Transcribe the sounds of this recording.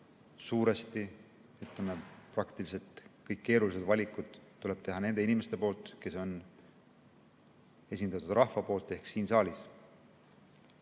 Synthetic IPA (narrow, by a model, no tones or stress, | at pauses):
suːɾest̪i | yt̪lemeprɑkt̪ilise̞t̪kɤjkkːe̞ːɾulise̞d̪̥vɑlʲikːˑud̪̥ːule̞b̥t̪e̞ɦɑne̞nd̪einime̞st̪e̞po̞ːlt̪ˑke̞so̞n | e̞sind̪ɑt̪ːud̪̥rʔɑhfɑpo̞ːlt̪ːˑe̞hksiːnsɑːlʲif